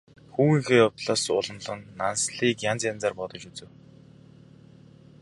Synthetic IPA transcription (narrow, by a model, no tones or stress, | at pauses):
xuːŋiːxeːɔwt̪ɮaːsʊ̰ɮɞ̆nɮɞ̆nːansɮiːkjant͡sjant͡saːrpɔt̪ɞ̆t͡ɕut͡sɘ̆w